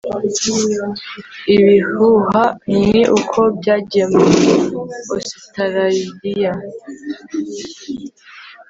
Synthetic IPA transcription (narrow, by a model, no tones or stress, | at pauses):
iβihuɦamniʔukʰo̞bjaːɟeme | osi̥taɾaidija